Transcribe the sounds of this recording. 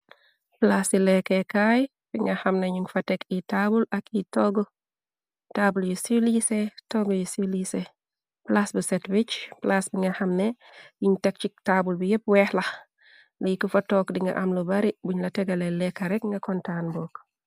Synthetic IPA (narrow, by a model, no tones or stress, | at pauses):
plasilekekaj | fiŋɡahamneɲuŋfatekitabulakitoɡɔ | tabuljusilisetoɡojusilise | plasbusetwit͡ʃplasbiŋɡahamne | juɲtek̚t͡ʃik̚taːbulbijep̚wɛːhla | lijkufatɔkdiŋɡa̰ʔamlubaɾibuɲlɐtɛɡalelɛkaɾɛkŋɡɐkɔntaːnbɔːk